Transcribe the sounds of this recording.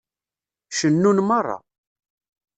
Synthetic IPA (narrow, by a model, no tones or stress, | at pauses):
ʃənːunmərˤːɑ̰